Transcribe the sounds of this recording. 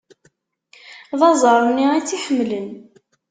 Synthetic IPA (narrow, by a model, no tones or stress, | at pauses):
ðˤɑzˤəɾˤnːiit͡sːiħəmːlən